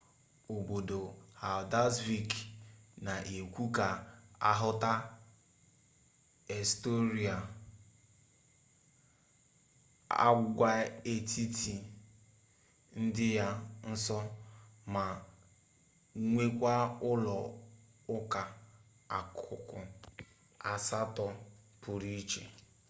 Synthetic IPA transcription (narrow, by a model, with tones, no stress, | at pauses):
o˨bo˨do˨ha˨da˦swi˦kna˨ʔe˨kʷu˦ka˨a̰˦ɦʊ˦ta˦ | e˨sto˦ɾi˨a˨ | a̰˦ɡʷa˦e˨tʰi˦ti˨ | n̩˦dɪ˦ja˦n̩˦sɔ˦ma˨ | ŋʷe˦kʷa˦ʊ˦lɔ˨ | ʊ˦ka˨ | a˨kʰʊ˨kʊ˨ | a˨sa˦tɔ˨pʊ˨ɾi˦t͡ʃe˨